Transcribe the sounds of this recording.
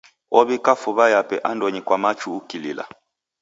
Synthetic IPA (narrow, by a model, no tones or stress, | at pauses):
ɔβikafuβajapɛʔandɔɲikwamat͡ʃuːkilḭla̰